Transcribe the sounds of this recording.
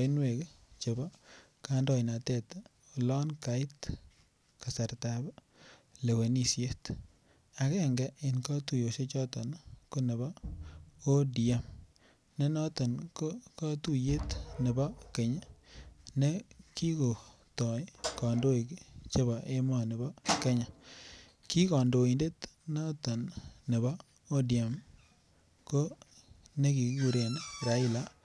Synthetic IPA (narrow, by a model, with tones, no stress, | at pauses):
ɪ˦nwe˨ke˦t͡ʃe˨bɔ˦ | ka˦ndɔ˦jna˨tɛ˦˨t | o˨lɔ˦nka˨ɪ˦t | ka˨sa˨ɾta˨b | le˨we˨ni˨sje˦t | a˨kɛ˦ŋɡɛ˦ʔɪ˨nka˦tu˨jo˨ʃe˦t͡ʃɔ˦tɔ˨nko˦ne˨bɔ˦ | o˦di˨a˦m | ne˦nɔ˦tɔ˨nko˦ka˦tu˨je˦t̪nɪ˨ba˦ke˨ɲa˦ne˦ki˦ko˨ | tɔ˨˦ka˨ndo˦i˨kt͡ʃe˦ba˨ʔe˦ma˦nɪ˨ba˦ke˦ɲa˨ | ki˦ka˨ndo˨i˨nde˦tna˦ta˨nːe˨ba˦ | o˦di˨a˨m | ko˦ne˦ki˨kku˨ɾe˨n˦ɾa˨˦ɪ˦˨la˦